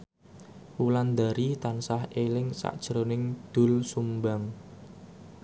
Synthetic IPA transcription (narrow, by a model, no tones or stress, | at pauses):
wuland̪aɾit̪ansahelɪŋsa̰ʔd̥ʒ̥əɾonɪŋd̪̥ʊ̤lsumbaŋ